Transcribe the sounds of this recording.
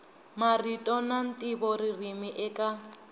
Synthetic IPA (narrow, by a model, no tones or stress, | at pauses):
maritʼɔnan̩tʼibɔririmiʔɛkʼa